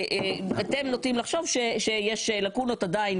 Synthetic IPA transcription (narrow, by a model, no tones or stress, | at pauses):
at̪emnotimlaχʃo̞vʃeʃejeʃlakuno̞tad̪ain